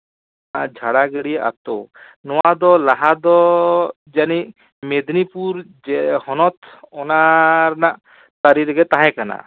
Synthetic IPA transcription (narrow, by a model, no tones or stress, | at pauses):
ad͡ʒʱaɽaɡəɽijaʔa̰t̪o | nɔwad̪ɔlaɦad̪ɔ | d͡ʒani | med̪nipuɾd͡ʒhɔnɔt̪ɔnaɾnaʔ | t̪aɾiɾɡɛt̪aɦɛ̃kana̰